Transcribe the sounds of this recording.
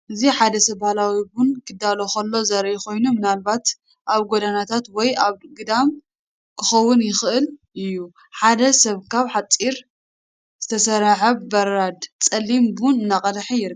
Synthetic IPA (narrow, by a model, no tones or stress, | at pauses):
ʔɨziħad̪ɐsɐβbahlawibunkʰɨd̪alo̞kɐlːo̞zɐɾjkʰo̞jnumɨnalβat̪ | ʔaβɡod̪anat̪ʰat̪wɔjaβɡɨd̪am | kʰɨxɐwʊnjɪxɨʔɨlʔɨjːu | ħad̪ɐsɐβkʰaβħat͡sʼiɾ | z̥ɨt̪ʰɐsɐɾaʕɨβbɐɾad̪t͡sʼɐlːimbunɨnːakʼɐd̪ħijɪɾ